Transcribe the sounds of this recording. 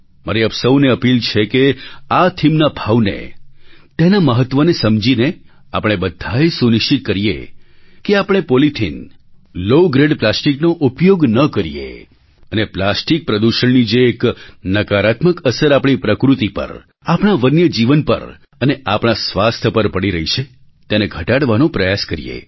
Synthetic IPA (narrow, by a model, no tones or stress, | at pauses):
məɾiəpsəwneəpilt͡ʃʰekeat̪ʰimnabʱaʋnḛt̪enaməɦət̪ʋənesəmd͡ʒine | a̰pɽ̃ebəd̪ʱːajsuniʃt͡ʃit̪̚kəɾijḛkeapɽ̃epolit̪ʰinloɡɾeɖplasʈiknoʔupjoɡnəkəɾijḛ | əneplasʈik̚pɾəd̪uʃəɳnid͡ʒeːknəkaɾat̪məkəsəɾapɽ̃ipɾəkɾut̪ipə̰ɾ | apɽ̃aʋənjəd͡ʒiʋənpə̰ɾ | əneʔapɳ̃asʋast̪ʰəpəɾpəɽiɾəɦit͡ʃʰe | t̪eneɡʱəʈaɽʋanõpɾəjaskəɾḭjḛ